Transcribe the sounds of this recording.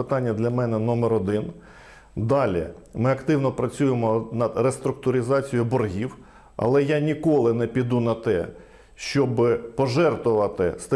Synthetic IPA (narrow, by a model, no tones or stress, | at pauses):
ɪt̪ɑnʲːɐd̪lʲɐmɛnɛnɔmɛɾɔd̪ɪn | d̪ɑlʲḭmɪɐkt̪ɪwnɔpɾɐt͡sʲujemɔnɐd̪rest̪ɾʊk̚t̪ʊɾʲɪzɑt͡sʲijʊbɔrɦʲiw | ɐ̰lˠɛjanʲikɔlˠɪnɛpʲid̪unɐt̪ɛ̰ | ʃt͡ʃɔbɪpɔʒɛrt̪ʊʋɐt̪ɪst̪ɐ